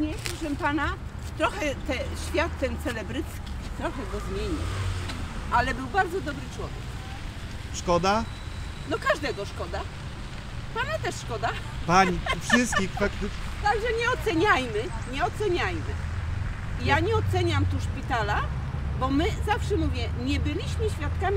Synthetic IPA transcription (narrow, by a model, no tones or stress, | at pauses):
ɲɛpɔʂɛmpana | t̪ɾɔxɛt̪ɛɕfʲjat̪ːɛnt̪sɛlɛbɾɘt̪skʲit̪ɾɔxɛɡɔzmʲjeɲiw | ʔalɛbɘwbaɾd̪zɔd̪ɔbɾɘt͡ʂwɔvʲjɛk | ʂkɔd̪a | nɔkaʐd̪ɛɡɔʂkɔd̪a | panɛt̪ɛʂʂkɔd̪a | paɲiufʂʂɘst̪̚kʲixfakt̪ɪt̪aɡʐɛɲɛɔt̪sɛɲajmɘɲɛɔt̪sɛɲajmɘ̰ | jaɲɛɔt̪sɛɲamt̪uʂpʲit̪ala | bɔmɘzafʂɛmuvʲjɛɲɛbɘlʲiɕmɘɕfʲjat̪̚kamʲ